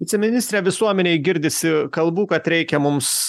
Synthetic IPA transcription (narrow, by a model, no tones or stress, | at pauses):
ʋʲɪtt͡sʲɛmʲɪnʲɪsʲt̪ʲɾʲeːʋʲɪsuɔmʲɛnʲɛːɪɡʲɪɾʲd̪ʲɪsʲɪkɐlˠbuːkɐt̪ɾʲɛɪkʲɛmʊms